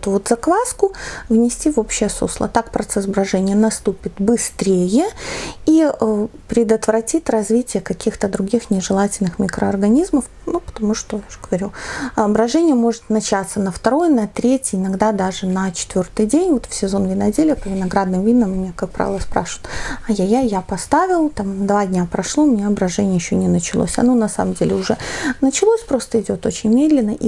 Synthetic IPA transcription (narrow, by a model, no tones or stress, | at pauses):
t̪ʊvot̪zɐkvaskʊvnʲɪsʲtʲivo̞pɕːɪjəso̰slˠə̰t̪akpɾɐt̪sɛsbɾɐʐɛnʲɪjənɐst̪upʲɪt̪bɨst̪ɾʲejɪiəpɾʲɪd̪ət̪vɾɐtʲit̪ʲrɐzvʲitʲɪjəkɐkʲixt̪əd̪ɾʊɡʲixnʲɪʐɨlˠatʲɪlʲnɨxmʲɪkɾəɐrɡɐnʲizməf | nupə̥t̪ɐmuʂt̪ojaʊʐɡ̥əvɐɾʲuɐbɾɐʐɛnʲɪjəmo̞ʐɨt̪nɐt͡ɕat̪sənəft̪ɐɾo̞jnɐt̪ɾʲetʲɪɪnɐɡd̪ad̪aʐɨnɐt͡ɕɪ̥t̪vʲort̪ɨjdʲenʲvo̞t̪fsʲɪzo̞nvʲɪnɐdʲelʲɪjəpəvʲɪnɐɡɾad̪nɨmvʲidnːəmmnʲekak̚pɾa̰vʲɪlˠəspɾa̰ʂɨvɪt̪ɐjajajapɐst̪avʲɪlˠt̪amd̪vadʲnʲapɾɐʂlˠomɪnʲeɐbɾɐʐɛnʲɪəjɪɕːonʲɪnət͡ɕɪlˠo̰sʲɐ̰no̞nɐsa̰məmdʲelʲɪʊʐɛnət͡ɕɪlˠosʲpɾo̞st̪əɪdʲo̞t̪o̞t͡ɕɪnʲmʲed̪lʲɪnːəʔḭ